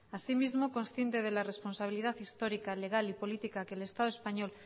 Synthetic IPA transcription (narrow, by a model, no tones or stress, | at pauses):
asimizmokõ̞nsθjent̪eð̞e̞lare̞spo̞nsaβilið̞aθist̪o̞ɾikale̞ɣalipo̞lit̪ikakele̞st̪aðoespaɲo̞l